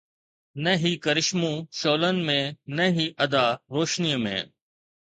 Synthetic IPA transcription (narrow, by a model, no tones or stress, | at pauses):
nɐɦikɐɾɪʃmũʃoːlənɪ̆mẽnɐɦiʔɐd̪aːɾoːʃnijəmḛ̃ː